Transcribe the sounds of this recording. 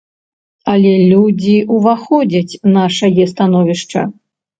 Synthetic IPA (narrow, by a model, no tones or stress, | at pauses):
ɐlʲɛlʲud͡zʲiʔuvaxɔd͡zʲɐt͡sʲnaʂɐjɛst̪anɔvʲiʂt͡ʂɐ̰